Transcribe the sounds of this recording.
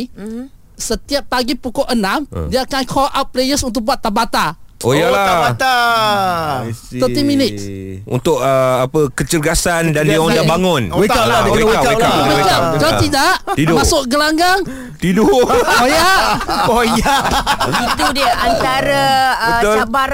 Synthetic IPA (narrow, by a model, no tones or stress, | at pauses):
sət̪iap̚ːaɡipukɔʔənãmdiaakankʰɔlʔat̪̚plejəsunt̪̬ʊk̚buat̪ːabat̪aojaaaat̪a | t̪əiminɪt̪̚ṵnt̪ʊk̚əapəkət͡ʃərɡasandandiaɔndabaŋʊnwealakawekakaat̪idaʔt̪idmãsʊʔɡəlaŋɡaŋ | t̪idupojaʔpojait̪udiaʔant̪aɾaəd͡ʒabaɾ